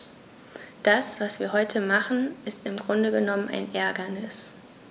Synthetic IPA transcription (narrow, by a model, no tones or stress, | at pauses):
d̥asv̥asv̥iːɐɦɔʏtʰəmaχn̩ʔɪstɪmɡʁʊndəɡənɔməna̰ɪnʔɛɐɡɐnɪs